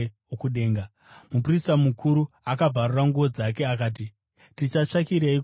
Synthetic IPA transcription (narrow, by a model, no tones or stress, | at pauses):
okuɗe̞ːŋɡa | mup̬uristamukʰuɾu | akab͡vʱaruraŋɡuʋo̞d͡zake̞akaːt̬i | tit͡ʃat͡ʂakiɾei